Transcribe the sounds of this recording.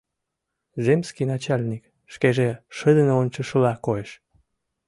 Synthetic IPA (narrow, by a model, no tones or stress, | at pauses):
zemskinɑt͡ɕɑlʲnik | ʃkeʒeʃəd̪ənoonʲt͡ɕəʃəlɑkoeʃ